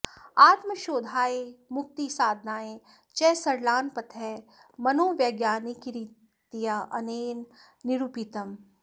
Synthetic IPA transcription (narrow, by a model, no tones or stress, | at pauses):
aːt̪məʃoːd̪ʱaːemʊk̚t̪isaːd̪ʱnaːe | t͡ʃɛːsɐɾlaːnpɐt̪ʰɛ | mɐnoːʋjɐɡjaːnikiɾi | t̪ijaʔɐ̰neːn | nɪɾupit̪əm